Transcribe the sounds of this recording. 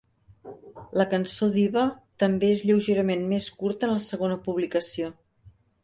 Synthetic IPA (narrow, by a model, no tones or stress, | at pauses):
ləkənsoðiβət̪əmbeezʎəwʒeɾəmenmeskuɾt̪ənləsəɣonəpuβlikəsio